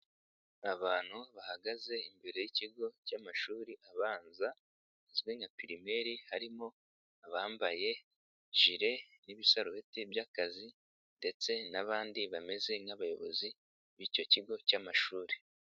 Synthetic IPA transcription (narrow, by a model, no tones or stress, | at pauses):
aβaːn̥huβahaɡaze̞imbe̞ɾe̞jiciɡo̞camaʃuːɾiʔaβaːnza | izɡiŋɡapiɾime̞ɾihaɾimo̞ | aβaːmbaje̞ | ʒ̥iɾe̞niβisaɾuetibjaːkazi | nde̞t͡se̞naβaːndiβame̞ze̞naβajo̞̰βo̞̰zi | βico̞ciɡo̞camaʃuːɾi